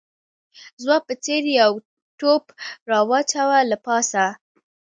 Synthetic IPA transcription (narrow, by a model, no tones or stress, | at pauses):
zwɑpət͡seɾjaw | ʈopɾɑwɑt͡ʃawalapɑsa